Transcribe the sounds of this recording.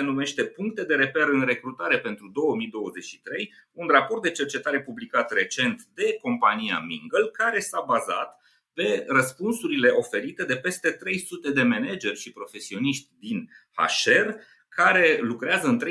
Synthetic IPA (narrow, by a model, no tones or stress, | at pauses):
enume̞ʃt̪e̞puŋk̚t̪e̞d̪e̞ɾe̞pe̞ɾɨnre̞kɾut̪aɾe̞pe̞nt̪ɾud̪o̞wəmijd̪o̞wəze̞t͡ʃʲʃi̥t̪ɾe̞junrapo̞rt̪̚d̪e̞t͡ʃe̞rt͡ʃe̞t̪aɾe̞publikat̪re̞t͡ʃe̞nt̪d̪e̞ko̞mpanija̰miŋɡəlkaɾe̞sabaza̰t̪ | pe̞rəspunsuɾile̞ʔo̞fe̞ɾit̪e̞d̪e̞pe̞st̪e̞t̪ɾe̞jsut̪e̞d̪e̞me̞ned͡ʒe̞rʲʃipɾo̞fe̞sio̞niʃt̪ʲd̪in | ha̰ʃe̞r | kaɾe̞lukɾeazəɨnt̪ɾe